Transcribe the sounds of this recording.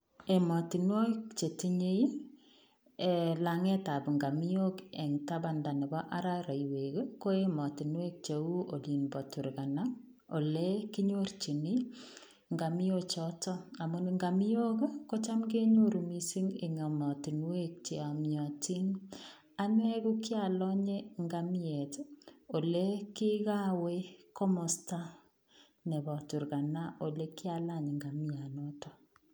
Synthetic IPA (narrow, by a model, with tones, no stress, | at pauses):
e˨mɔ˨ti˨nwo˦kt͡ʃe˨ti˦ɲe˦i | e˨la˨ŋe˦ta˨bŋɡa˨mi˦jo˦ke˨ŋta˦ba˨nda˨ne˨bɔ˦ʔa˦ɾa˦ɾa˨iwe˨kko˦e˦mɔ˨ti˨nwe˦k̚t͡ʃe˨u˦o˨li˨nbɔ˨tu˨ɾka˨na˦ | o˨le˦kɪ˦ɲo˦rt͡ʃi˨ni˦ | ŋɡa˨mi˦jo˦t͡ʃɔtɔ˦a˨mo˨nŋɡa˨mi˦o˦kko˦t͡ʃa˦mke˦ɲo˦ɾu˨mi˨si˦ŋe˨ŋa˨mɔ˨ti˨nwe˦k̚t͡ʃe˨a˨mjɔ˨ti˦ŋ | a˦n˦ɛ˦ɣu˦kja˨lɔ˦ɲe˦ŋɡa˨mi˦ɛ˨to˨le˦ki˦ɣa˦we˦kɔ˦mɔ˨sta˦ | nɛ˨βɔ˨tu˨ɾɣa˨na˦ʔo˨le˦kjala˦˨ɲe˨ŋɡa˨mi˦a˨no˦tɔ˨